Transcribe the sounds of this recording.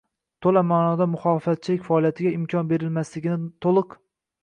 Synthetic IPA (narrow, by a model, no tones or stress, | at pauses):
t̪ʰolamaːnɒd̪amʊχɒːlˠɨfat̪̚t͡ʃʰɪlɪkʲfaːlˠijat̪ʰɪɡʲaɪmkʲʰɒnbe̞ɾɪlmaslɪɡʲɪnɪt̪ʰolˠɨq